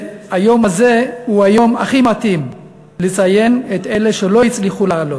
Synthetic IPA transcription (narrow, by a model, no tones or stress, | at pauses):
hajo̞mhaze̞huhajo̞maχimat̪im | let͡saje̞net̪e̞leʃelo̞jit͡sliχulaːlot